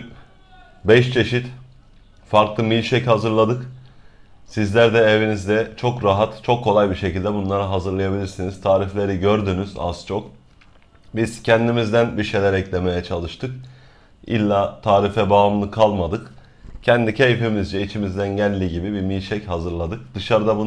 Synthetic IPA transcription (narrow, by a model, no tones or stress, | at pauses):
bɛʃt͡ʃʰe̞ʃit̪ | faɾklˠɯmilʲʃɛchazɯɾlˠad̪ɯk | sizlʲæɾd̪ɛevinizd̪ɛt͡ʃʰo̞kɾaɦat̪t͡ʃʰo̞kʰːo̞lˠajbiɾʃe̞cilʲd̪ɛbunlˠaɾaɦazɯɾlˠajabilʲiɾsiniz̥t̪ʰaːɾiflʲe̞ɾiɟø̞ɾd̪ynyz̥a̰z̥t͡ʃʰo̞k | biz̥cʰɛnd̪imizd̪ænbiɾʃe̞jlʲæɾɛclʲe̞me̞jɛt͡ʃʰalˠɯʃt̪ʰɯk | ḭlʲːaːt̪ʰaːɾifɛbaːmlˠɯkʰalˠmad̪ɯk | cʰɛnd̪icʰe̞jfimizd͡ʒɛit͡ʃʰimizd̪ænɟælʲːiɟibibimilʲʃɛchazɯɾlˠad̪ɯk̚d̪̥ɯʃaɾɯd̪abu